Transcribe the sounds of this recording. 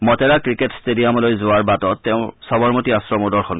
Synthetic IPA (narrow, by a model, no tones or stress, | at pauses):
mɔtɛɹakɹiketstedijamɔlojzʊaɹbatɔtːɛʊ̃sɔbɔɹmotiasɹɔmɔdɔɹxɔn